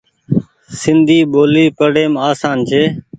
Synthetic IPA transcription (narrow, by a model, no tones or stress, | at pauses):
sɪnd̪ʱiːɓoːliːpəɽeːmaːsaːnt͡ʃʰeː